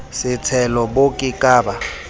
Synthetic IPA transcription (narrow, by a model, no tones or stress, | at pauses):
sɪt͡sʰɛlɔbokʼɪkʼaːba